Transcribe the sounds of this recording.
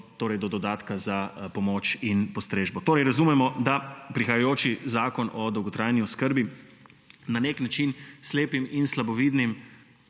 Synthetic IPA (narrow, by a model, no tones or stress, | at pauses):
t̪oːɾɛjd̪ɔd̪ɔd̪aːt̪kazapɔmoːt͡ʃinpɔst̪ɾeːʒbɔt̪oːɾɛjɾazumɛmɔd̪apɾixajajoːt͡ʃizaːkɔnɔd̪ɔwɡɔt̪ɾaːjniɔskəɾbi | naneːknat͡ʃinsleːpiminslabɔʋiːd̪nim